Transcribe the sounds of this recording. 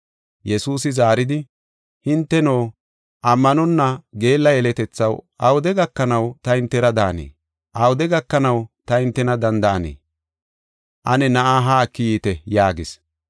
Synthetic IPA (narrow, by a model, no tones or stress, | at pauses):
jɛsuːsɪzaːɾɪd̪ɪ | hɪnt̪ːɛno̞ː | ʔɐmːɐnɔnːɐɡe̞ːlːɐjɛlɛt̪ɛt͡sːɐwɐwʊd̪ɛɡɐkːɐnɐwt̪ɐhɪnt̪ːɛɾɐd̪aːnḛː | ʔɐwʊd̪ɛɡɐkːɐnɐwt̪ɐhɪnt̪ːɛnɐd̪ɐnd̪ɐʔɐnḛː | ʔɐnɛnɐʔaːɦaːkːɪjiːt̪ɛjaːɡɪs